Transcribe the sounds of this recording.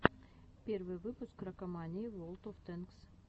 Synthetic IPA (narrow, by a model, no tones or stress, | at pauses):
pʲervɨjvɨpʊskrɐkɐmanʲɪːvolˠt̪oft̪enks